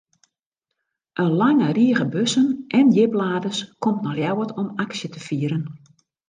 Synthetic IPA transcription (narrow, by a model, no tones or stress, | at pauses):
ʔənlaŋəriəɣəbøsənʔɛnjɪblaːdəskɔmtnɔxljɛwətɔmaksjətəfiːəɾən